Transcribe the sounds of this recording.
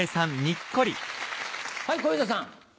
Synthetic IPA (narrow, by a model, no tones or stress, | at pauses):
esãnɲikːoɾʲḭ | haijkoizas̬ãŋ